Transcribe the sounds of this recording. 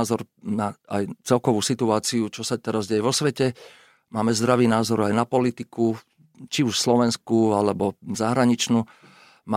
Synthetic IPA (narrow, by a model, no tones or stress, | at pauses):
zɔɾnaajt͡sɛlkɔʋuːsit̪uaːt͡siut͡ʃɔsat̪ɛɾazɟɛjɛʋɔsʋɛcɛ | maːmɛzd̪ɾaʋiːnaːzɔɾajnapɔlit̪iku | t͡ʃiuʃslɔʋɛnskualɛbɔzaɦɾaɲit͡ʃnuː | ma